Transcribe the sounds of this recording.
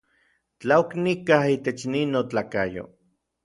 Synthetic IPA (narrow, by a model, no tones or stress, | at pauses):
t͡ɬaoknikahiːt̪et͡ʃninot͡ɬaːkajo̰